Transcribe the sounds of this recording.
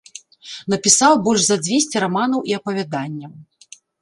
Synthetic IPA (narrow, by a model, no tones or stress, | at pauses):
nɐpʲisawbɔlʲʐzɐd͡zʲvʲesʲt͡sʲɛɾamanɐwʔiɐpɐvʲad̪anʲːɐm